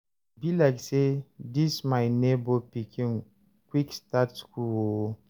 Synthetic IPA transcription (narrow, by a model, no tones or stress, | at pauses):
bilaɪksedismaɪnebopikʰĩŋ | kwikstatskulwo